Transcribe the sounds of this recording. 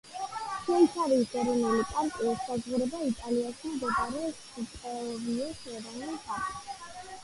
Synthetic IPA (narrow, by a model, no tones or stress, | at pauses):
ʃʰɛnsʰaɾisɡɛɾɛnɛlipʼaɾkʼiɔsːazʁuɾɛbait̪ʼaliaʃimd̪ɛɡaɾɛɔs | itʼɔɔɡiɔsɛɾanbʰakʼ